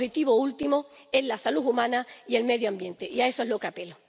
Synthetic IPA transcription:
het̪iβoult̪imoe̞zlasaluumãnaie̞lme̞ðjoãmbje̞nt̪eʔiaesoe̞ɦlo̞keape̞lo

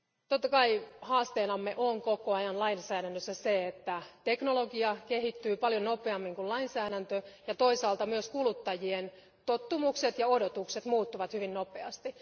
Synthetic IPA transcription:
t̪ot̪ːɑkɑihɑːst̪eːnɑmːeʔoŋkokoɑjɑnlɑinsæːɾænːøsːæseet̪ːæt̪eknolo̞ɡiɑkehit̪ːyːpɑljono̞pˑeɑmːiŋkullɑinsæːɾænt̪øjɑt̪o̞isɑːlt̪ɑmyøskulut̪ːɑjien | t̪ot̪ːumukset̪jɑo̞dot̪ukse̞t̪muːt̪ːuʋɑt̪hyʋinnopeɑst̪i

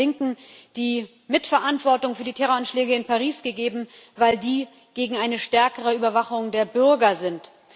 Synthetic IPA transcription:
ɪŋkŋ̩d̥iː | mɪtfɛɐʔantv̥ɔɐtʊŋfyːɐdiːtʰɛʁoanʃlɛːɡəɪnpaʁiːsɡ̥əɡeːbm̩ | vaɪldiː | ɡ̥eːɡŋ̩aɪnəʃtɛɐkəʁəyːbɐvaχʊŋdeːɐbʏɐɡɐzɪnt

